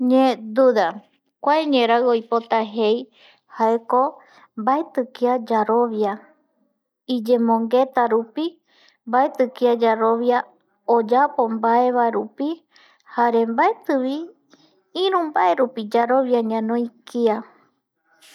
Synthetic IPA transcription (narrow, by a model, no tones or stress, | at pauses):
ɲẽd̪uða | kʷaeɲẽɾaɨojpo̞t̪aɦe̞j | haeko | mbaet̪ɨkiad͡ʒaɾo̞βja | id͡ʒẽ̞mõŋɡe̞t̪aɾupi | mbaet̪ɨkiad͡ʒaɾo̞βja | od͡ʒapo̞mbaeβaeɾupi | haɾe̞mbaet̪ɨβi | ĩɾ̃ũmbaʔe̞ɾupid͡ʒaɾo̞βjaɲãnõikia